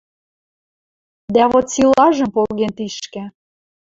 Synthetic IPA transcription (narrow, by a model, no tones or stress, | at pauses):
d̪æβot̪silɑʒə̆mpolɣent̪iʃkɘ̆